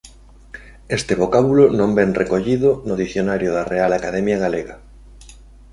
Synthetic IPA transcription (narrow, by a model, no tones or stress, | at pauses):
est̪eβokaβulonõmbɛŋrekoʎiðʊnoðiθjonaɾjoðarealakaðɛmjaɣaleɣa